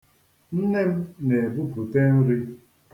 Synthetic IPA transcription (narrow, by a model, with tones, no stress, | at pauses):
n̩˦ne˦m̩˦ne˨bu˦pu˨te˦n̩˦ɾi˦